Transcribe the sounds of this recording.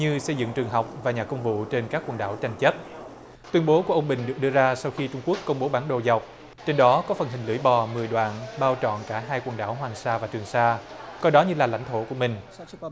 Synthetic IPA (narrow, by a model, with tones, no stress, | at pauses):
ɲɨ˧sə˧jzɨ̰˧˨ŋt͡ɕɨ˨˩əŋɦa˨˩wk͡p̚vaː˨˩ɲaː˨˩kə˧wŋ͡mvṵ˧˨t͡ɕe˧nkaː˦˥kːwə˨˩nɗa̰ː˧˩wt͡ɕa˧jŋ̟t͡ɕə˦˥p̚ | t̪wi˧ənɓo˨˦ku˧˩əʔə˧wŋ͡mɓï˨˩ŋ̟ɗɨ˨˩ək̚ɗɨ˧əzaː˧sa˧wxi˧t͡ɕʊ˧ŋ͡mku˦˥əkːə˧wŋ͡mɓo˨˦ɓaː˨˦nɗo̰˧˨za˨˩wk͡p̚ | t͡ɕe˧nɗɔ˨˦kɔ˨˦fə˨˩nɦï˨˩ŋ̟lɨ̰˧˩əjɓɔ˨˩mɨ˨˩jɗwa̰ː˧˨nɓaː˧wt͡ɕɔ̰˧˨nkaː˧˩ɦaː˧jkwə˨˩nɗaː˧˩wɦwaː˨˩ŋsaː˧vaː˨˩t͡ɕɨ˨˩əŋsaː˧kɔ˧jɗɔ˨˦ɲɨ˧laː˨˩la̰˧˩jŋ̟t̪ʰo˧˩ku˧˩əmï˨˩ŋ̟